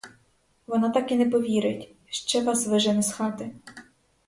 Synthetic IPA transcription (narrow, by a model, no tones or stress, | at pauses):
ʋɔnɑt̪ɑkɪnɛpɔʋʲiɾɪtʲ | ʃt͡ʃɛʋɑsʋɪʒɛnɛsxɑt̪ɪ